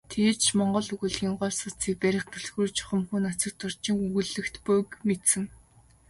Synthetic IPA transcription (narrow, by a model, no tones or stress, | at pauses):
t̪ʰeːt͡ɕʰmɔɴɢɞ̆ɮɵɣŭɮɣʲiːŋɢɔːɮsʊt͡siːk̚pæɾʲɪ̆χt̪ʰɵɮɣɾuːt͡ɕʰʊ̥χɞ̆mxuːnat͡sə̆k̚t̪ʰʊr̥t͡ɕɪ̆ŋuɣɘ̆ɮɘ̆kt̪pʊkmet̪sɘ̆ŋ